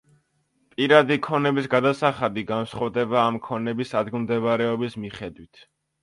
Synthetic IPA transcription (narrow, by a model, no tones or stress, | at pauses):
pʼiɾad̪ikʰɔnɛbisɡad̪asaχad̪iɡansχɔvd̪ɛbaːmkʰɔnɛbisad̪ɡmd̪ɛbaɾɛɔbismiχɛd̪wit̪ʰ